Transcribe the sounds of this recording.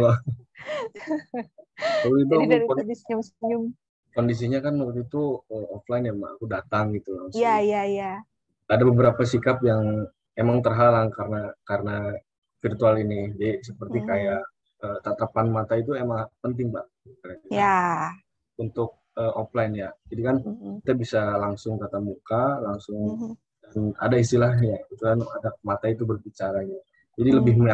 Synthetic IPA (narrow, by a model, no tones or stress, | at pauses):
lo | kaluit̪ɔkikndisiɲausɲʊŋ | kondis̬iɲakanməput̪it̪uɔflaɪnjamaa̰kudat̪aŋɡit̪uaujajaja | adabəbəɾapasikapjaŋ | emaŋt̪ərɦalaŋkaɾənakaɾəna | firt̪ualinid͡ʒasəpərt̪ikajaʔ | əːt̪at̪apanmat̪ait̪uemaŋpənt̪̬ɪŋbah | kaɾad͡ʒuja | unt̪ʊk̚ | əoplajnjad͡ʒadikankit̪abisalaŋsʊŋkat̪amukalaŋsʊŋ | dana̰dais̬t̪ilahjait̪ukana̰damat̪ait̪ubərbit͡ʃaɾaɲa | d͡ʒadiləbɪhm